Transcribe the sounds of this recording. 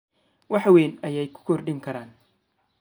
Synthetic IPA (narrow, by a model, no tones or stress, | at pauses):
wʔɑħwɛːnɐjɛjkʰʊ̥kʰɔrɖɪŋkʰɐɾaːn